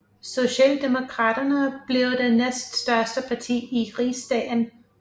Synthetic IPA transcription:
so̝ɕɛ̰ːld̥e̝mo̝kʰʁɑ̈ːd̥ɐnəb̥liʊd̥enesd̥sd̥ɶɐsd̥əpʰɑ̈t͡sʰḭːiʁḭːsd̥ɛ̰ːn

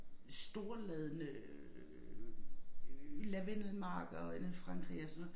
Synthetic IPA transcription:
sd̥o̝ɐlɛðˠənə | læʋenlmɑ̈ːɡ̥ɒenh̩ˠfʁɑ̈ŋɡ̥ʁḭɒsɔnɔðˠ

